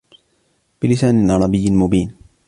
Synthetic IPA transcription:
b̥ɪlɪsaːnɪlʕɑɾˤɑbɪjːɪlmʊbiːn

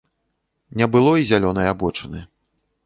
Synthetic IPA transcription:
nʲɛbɨlˠɔizʲalʲɔnɐjabɔt͡ʂɨnɨ

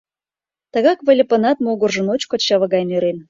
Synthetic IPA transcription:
t̪əɣɑkβəlʲepə̆nɑt̪̚moɣŏrʒɤ̆not͡ɕkot͡ɕːɑβɤ̆ɣɑjnøɾen

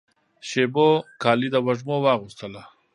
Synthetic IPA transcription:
ʃebokʰɑːlid̪əwaʐmowɑːɣust̪əla

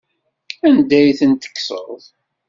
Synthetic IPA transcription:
ænd̪æjθənt̪ə̥kːsə̰ðˤ

